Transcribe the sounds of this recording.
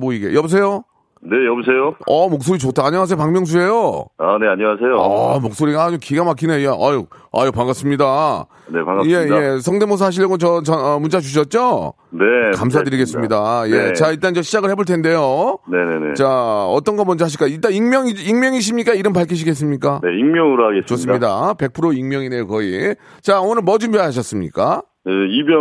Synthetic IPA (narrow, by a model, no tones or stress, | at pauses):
moiɡe̞̰jʌbis̬ʰe̞jo | ne̞jʌbusʰejoʌmok̚s͈oɾit͡ɕotʰaaɲʌwas̬ʰejopaŋmjʌŋs̬ʰuɾe̞joaneaɲʌwasʰejoa̰mok̚s͈oɾiɡad͡ʑokiɡamak̬͈inejaʔa̰jo | a̰jopaŋɡas͈ɯmɲida | nepaŋɡje̞je̞sʰʌŋdemos̬ʰaɕ̬ʰiʌɡot͡ɕʌt͡ɕʌnʌmunt͡ɕ͈at͡ɕuɕ̬ʰʌt̚t͡ɕ͈o | nekams̬ʰadɯɾiɡe̞s͈ɯmɲidajet͡ɕaiɭt͈and͡ʑʌɕʰid͡ʑaɡɯɭhe̞boɭtʰende̞jone̞nenḛt͡ɕaʌt͈ʌnɡʌmʌnd͡ʑʌɦaɕ̬iɭk͈ait͈aiŋmjʌŋiiŋmjʌŋiɕ̬ʰimɲik͈aiɾɯnpaɭkʰiɕ̬ʰiɡe̞s̬͈ɯmɲik͈aneiŋmjʌŋɯɾoaɡest͡ɕosɯmɲidape̞k̚pʰɯɾoiŋmjʌŋinejokʌi | t͡ɕaonɯɭmʌd͡ʑumbjeaɦaɕ̬ʰʌs͈ɯmɲḭk͈a | eibjʌ